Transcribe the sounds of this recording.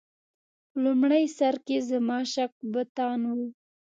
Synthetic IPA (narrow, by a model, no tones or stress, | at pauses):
lumɽajsaɾkezamɑʃak̚bət̪ɑnwu